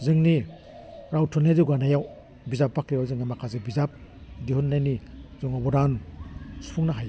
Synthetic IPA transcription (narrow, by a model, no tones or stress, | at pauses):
zɯŋni | ɾawtʰɔneziɡanajaw | bizap̚ːakɾijawzɯŋamakʰazebizap̚diɦunːajnizɔŋabɔdansu̥pʰuŋnaɦaj